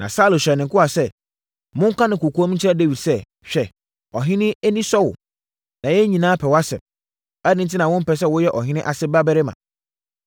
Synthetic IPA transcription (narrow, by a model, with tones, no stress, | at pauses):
nã̰˨saː˦lʊ˨ɕᶣɛ˨nɪ̃˨kʊ˦a˨sɛ˦ | mʊ̃˦ŋ˦kʰʷã˦nɪ̃˨kʰu˨kʰːmĩ˦t͡ɕʰɛ˦de˦wi˨dsɛ˦˨ | ɕᶣɛ˨ | ɔ˨ɦɪ̃˦nɪ̃˦e˦nĩ˦sɔ˦wʊ̰˨ | nã˨jɛ˦ɲĩ˨nãː˦pʰɛ˨wa˦sɛ̰˨m | æ˦nɪ̃˦n˦tɪ˦nã˨wʊ̃˦m̩˦pɛ˨s̬ɛ˦wʊ˦jɛ˦ʔɔ˨ɦɪ̃˦nɪ̃˦ʔa˨sɪ˦ba˦bɛ˦ɾɪ˦mã̰˨